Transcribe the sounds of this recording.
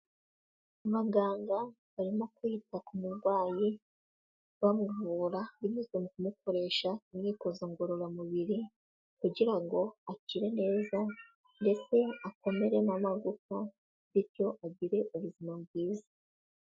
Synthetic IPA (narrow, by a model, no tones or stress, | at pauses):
uβaɡaːŋɡa | βaɾimo̞kwuitakumuɾɡwaːji | βamuvuːɾaβimɲizomukumukʰo̞ɾe̞ːʃaimɲiːkozoŋɡoɾoɾamuβiɾi | kuɟiɾaŋɡo̞aciɾe̞ne̞ːza | nde̞t͡se̞ako̞me̞ɾe̞mamaɾɡuko | βiɾco̞ʔaɟiɾe̞ʔuβuzimabɡwiːza